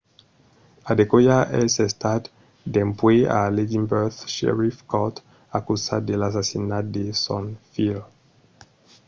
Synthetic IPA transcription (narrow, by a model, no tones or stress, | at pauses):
ad̪ekojaʔesest̪at̪ | d̪empwea̰led̪imbɛθʃḛɾifkɔt̪ | akusad̪elas̬asinat̪̚d̪esɔnfil